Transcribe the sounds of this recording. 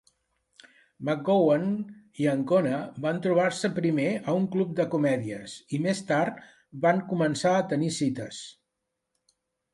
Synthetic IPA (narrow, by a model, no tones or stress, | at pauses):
mak̚owan | iəŋkonəbant̪ɾuβaɾsəpɾimeəuŋklup̚d̪əkumɛðiəsimest̪aɾt̪ | baŋkumənsaət̪ənisit̪əs